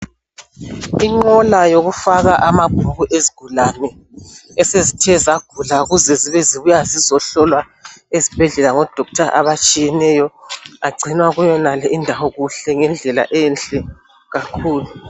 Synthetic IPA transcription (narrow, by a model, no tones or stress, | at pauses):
iŋ͡ǃɔlajoɣufaɣaʔamab̥ʱuɣuʔeziɡ̥ʱulanɛ | ɛsezitʰɛzaɡ̥ʱulauɣuzɛziβɛziβujazizɔɬɔlwa | ezib̥ʱɛɮɛlaŋɔd̥ʱɔk̚tʰaʔaβat͡ʃʼijɛnɛjɔaɡ͡ǀʱinwaɣujɔnalɛʔindʱawɔɣuɬɛŋɛnd͡ɮʱɛla̰ʔɛnɬʼɛ | ɣakʰuːlu